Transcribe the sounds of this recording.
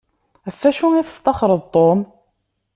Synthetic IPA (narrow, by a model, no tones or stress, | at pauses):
æfːæʃuiθə̥st̪ɑχɾˤəðˤt̪ˤːom